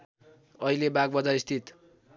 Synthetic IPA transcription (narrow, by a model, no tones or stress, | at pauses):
ʌilebaɡ̚bʌd͡zaist̪ʰit̪